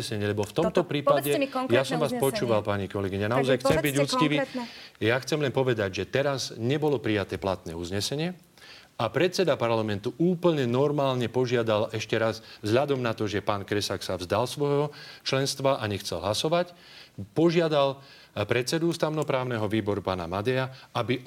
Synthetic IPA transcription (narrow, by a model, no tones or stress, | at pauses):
sɛɲɪɛʎɛbɔft̪ɔmt̪ɔpɾiːpadɛjasɔmʋaːspɔt͡ʃuːʋalpaɲikɔlɛɡiɲanaɔzajxt͡sɛmbiɟut͡skiʋijaxt͡sɛmlɛnpɔʋɛd̪aɟʒɛt̪ɛɾazɲɛbɔlɔpɾijat̪ɛːplat̪nɛ̰ːuzɲɛsɛɲɪɛ | apɾɛt̪t͡sɛd̪apaɾlamɛnt̪uʔuːpl̩ɲɛnɔɾmaːlɲɛpɔʒɪad̪alɛʃcɛɾazzɦʎad̪ɔmnat̪ɔʒɛpaːnkɾɛsaksavzd̪alsʋɔjɦɔt͡ʃlɛnst̪ʋaʔaɲɛxt͡sɛ̰lɦlasɔʋac | pɔʒɪad̪al | pɾɛt̪t͡sɛd̪uust̪aʊnɔpɾaːʊnɛɦɔʋiːbɔɾupaːna̰mad̪ɛaabi